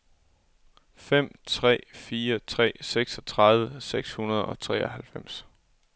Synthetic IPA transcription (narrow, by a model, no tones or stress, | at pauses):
fem̰t͡sʰʁɛ̰ːfiːɐt͡sʰʁɛ̰ːseɡ̥sɒt͡sʰʁɑ̈ðˠʋəseɡ̥shunɐð̞ˠɒ̽t͡sʰʁɛ̰ːɒhælfem̰s